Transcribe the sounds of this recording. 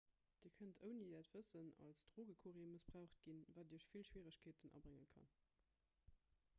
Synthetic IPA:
d̥iːɐkʰəntʰəʊnidæːtv̥əsənɑ̰lsd̥ʁoːɡəkʰuʁiəmusb̥ʁaʊχt̚ɡ̥invaːdiːəʃfilʃwiːʁəɕkʰeːtənʔɑ̰bʁɪŋə̰nkʰɑ̰n

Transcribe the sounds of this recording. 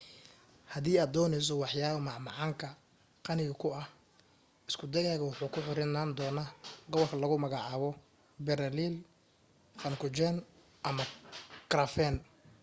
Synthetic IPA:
hɐðiːaːd̪ɔːnɛjs̬ɔwɑħjaːβɐmɑʕmɑʕɑːŋkʰɐ | qɑnɪɣɐkʰʊɐh | ɪskʰʊd̪ɛɣaːɣɐwʊħuːkʰʊħɪɾɪnaːnd̪ɔːnaːɡɔβɔlkʰɐlɐɣʊmɐɣɑʕɑːβɔ | bɛɾɐlil | fɐŋkʰʊt͡ʃɛn | ʔɐmɐkrɐfɛn

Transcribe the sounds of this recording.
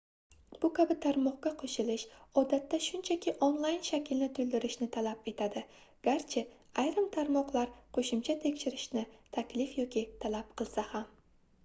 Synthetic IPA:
b̥ʊkʲʰabɪt̪ʰaɾmɒqɡʲaqʰoʃɪlɪʃɒd̪at̪ːaʃʊnt͡ʃʰakʲɪʔonlˠajnʃakʲʰɪlnɪt̪ʰʊld̪ɪɾɪʃnɪt̪ʰalape̞t̪ʰad̪ɪ | ɡ̥ʲaɾt͡ʃʰɪ | ajɾɪmt̪ʰaɾmɒqlˠaɾqʰoʃɪmt͡ʃʰat̪ʰe̞kʲʃɪɾɪʃnɪt̪ʰakʲlɪfjɒkʲit̪ʰalap̚qʰɨlˠsaham

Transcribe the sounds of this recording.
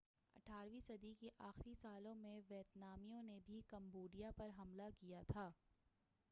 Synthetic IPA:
ɐ̰ʈʰaːɾʋisɐd̪ikeʔaːxɾisaːlõmẽʋɛːt̪naːmijõnebʱikɐ̃mboːɖijapɐɾɦɐmlakijat̪ʰaː

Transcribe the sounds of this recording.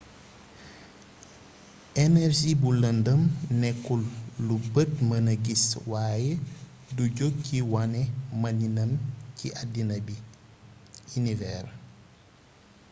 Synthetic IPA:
ɛnɛɾʒibuləndəmnɛkːulːubətmɐnɐɡiswaːje | duɟokːiwanɛmɐninɐmciʔadːinɐbi | inivɛːr

